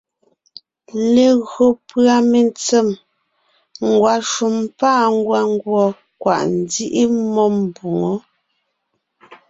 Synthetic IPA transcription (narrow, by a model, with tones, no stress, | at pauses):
le˨ɣɰo˨pɰa˨me˨nt͡sɛ˦˨m | ŋ̩˨ɡwa˨ʃu˨mpaː˦˨ŋ˦ɡwa˦ŋ˦ɡwɔ˨ | kwa̰˨ʔn̩˨˦di˦ʔi˦mɔ˦m˨bu˨ŋɔ˨˦